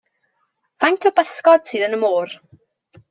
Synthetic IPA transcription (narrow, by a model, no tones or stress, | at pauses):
v̥antʰɔbəskɔd̥sɨːðənəmoːr